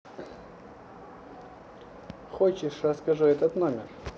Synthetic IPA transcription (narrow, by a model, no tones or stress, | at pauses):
xot͡ɕɪʂrəskɐʐuɛt̪ət̪nomʲɪr